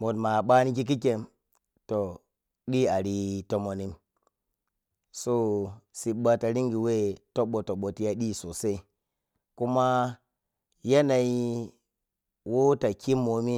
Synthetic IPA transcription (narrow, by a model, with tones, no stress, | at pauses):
mo˨tma˨ɓa˦ni˦k̬i˦k̬i˦ke˨m | to˨ | ɗi˦a˨ɾi˦to˨mo˨ni˦m | so˦si˨ɓa˦ta˨ɾi˦ŋɡi˨we˦to˦ɓo˨to˨ɓo˨ti˦ja˦ɗi˦˨so˨se˦ | ku˦ma˦ | ja˦na˨i˦ | wo˦ta˨kʰi˦mːo˨mi˦